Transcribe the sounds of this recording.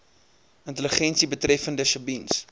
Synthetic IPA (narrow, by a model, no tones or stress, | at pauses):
əntələχɛnsibətrɛfəndəʃəbins